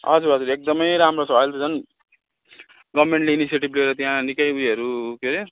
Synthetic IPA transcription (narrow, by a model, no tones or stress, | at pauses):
ʌd͡zuɾʌd͡zuɾek̚d̪ʌmʌjɾamrot͡sʰʌajlt̪ud͡zʌn | ɡʌmeɳʈleinisijeʈibleɾʌt̪jãnikʌjujʌɾukeɾi